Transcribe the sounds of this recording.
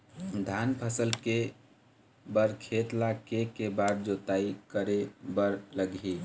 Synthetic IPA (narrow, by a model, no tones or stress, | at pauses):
d̪ʱanpʰəsəlke | bəɾkʰet̪lakekebad̪d͡ʒot̪aikəɾebəɾləɡi